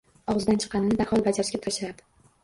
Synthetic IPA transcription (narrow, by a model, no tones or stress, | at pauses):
ɒʁɨzd̪ant͡ʃʰɨ̥qːɑnɪnɪd̪ahɒlˠbad͡ʒaɾɪʃkʲat̪ʰaʃɪɾad̪̥ɪ